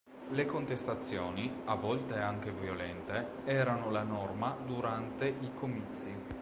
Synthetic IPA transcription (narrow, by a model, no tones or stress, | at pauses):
lekont̪est̪at̪sːjɔːniavːɔlt̪eaŋk̟evjolɛnt̪e | ɛːɾanolanɔrmad̪uɾant̪eʔikomit̪sːi